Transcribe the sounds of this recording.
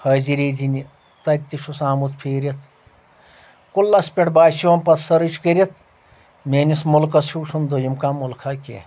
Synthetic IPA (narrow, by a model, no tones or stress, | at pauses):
hɐːziɾeːd͡ʒini | t̪ɐt̪ʲːiʃʰusaːmut̪pʰeːɾʲɐt̪ʰ | kulːɐspʲeʈbaːsiʋɐmpɐsɐɾɨt͡ʃkəɾʲit̪ʰ | meːnismulkɐsuːʃʰund̪ojimkaːmulkʰakʲḛː